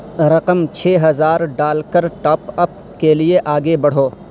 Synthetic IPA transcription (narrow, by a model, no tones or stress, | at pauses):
ɾɐqəmt͡ʃʰeːɦɐzaːɾɖaːlkəɾʈaːpɐp | kelieʔaːɡebɐɽ̤oː